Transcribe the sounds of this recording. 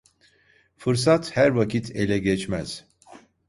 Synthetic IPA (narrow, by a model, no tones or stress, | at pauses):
fɯɾsat̪hæɾvacʰit̪ʰe̞lʲɛɟɛt͡ʃmæz̥